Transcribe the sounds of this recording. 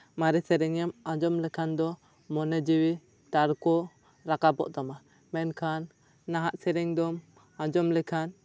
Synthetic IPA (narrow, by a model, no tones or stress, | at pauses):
maɾɛsɛɾɛŋɛmãd͡ʒɔmlɛkʰand̪ɔ | mɔnɛd͡ʒiwi | t̪aɾkɔ | ɾakabɔ̰ʔt̪ama | mɛnkʰanː | aɦaʔsɛɾɛŋd̪ɔm | ãd͡ʒɔmlɛkʰan